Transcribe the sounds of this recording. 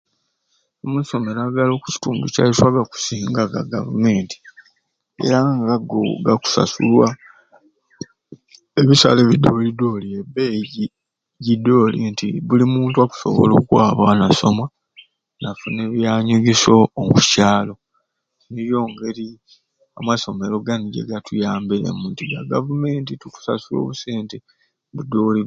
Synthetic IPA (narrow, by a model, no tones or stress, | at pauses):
omuso̞me̞ɾaɡalo̞ːku̥ci̥tuːnduca̰iswaβaku̥siːŋɡaɡa̰ɡa̰vume̞ːnti̥ | e̞̰ɾaŋɡaɡo̰ɡaku̥sa̰sṵlwa | eβisa̰le̞βidːo̞lido̞ːliebeɟ | ɟido̞ːlintʰḭβulimuːntuwaku̥so̞̰βo̰lo̞̰kwaːβanaso̞̰ma | nafune̞βjaːɲuɡiso̞ːkucaːlo̞ | niɾjo̞ːŋɡe̞ɾi | amwaso̞me̞lo̞ɡaniɟḛɡatujaːmbiɾḛmuntiɡaɡavume̞ːntituku̥sa̰sulo̞̰ːβuseːnte | βudo̞li